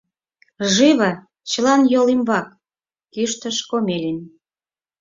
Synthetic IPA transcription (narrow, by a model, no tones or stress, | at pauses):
ʒiβə | t͡ɕə̆lɑnjolimβɑk | kyʃt̪ə̆ʃkomelʲin